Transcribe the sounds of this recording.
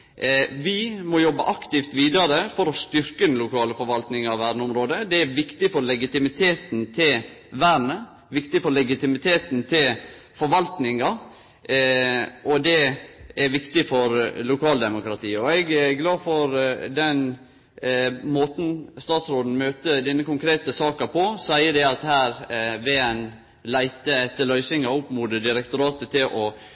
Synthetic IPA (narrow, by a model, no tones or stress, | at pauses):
ʋɪmɔjɔbːə̰ʔɑkt̪ɪft̪ʋiːd̪ɑɾəfɔɾɔst̪ʏɾkəd̪ɛnlʊkʰɑːləfɔɾʋɑlt̪nɪŋɑʋæːɾnəʊmɾoːd̪əd̪ɛæɾʋɪkt̪ɪfɔɾlɛɡɪt̪ɪmɪt̪ʰeːt̪nt̪ʰɪlʋæɾɳə | ʋɪkt̪ɪfɔɾlɛɡɪt̪ɪmɪt̪ʰeːt̪nt̪ʰɪl | fɔɾʋɑlt̪nɪŋɑ | ʔɔd̪ɛæɾʋɪkt̪ɪfɔɾlʊkʰɑːld̪ɛmʊkɾɑt̪ʰiːɔɛɡɛɡlɑːfɔɾd̪ɛn | moːt̪n̩st̪ɑːt̪sɾoːd̪n̩møːt̪əd̪ɛnːəkʊŋkʰɾeːt̪əsɑːkəpʰɔsæɪəd̪ɛɑt̪hæːɾʋeːɛn | læɪt̪əɛt̪ːəɭœʏsɪŋɑʊpːmud̪əd̪ɪɾɛkt̪ʊɾɑːt̪ət̪ʰɪlʔɔ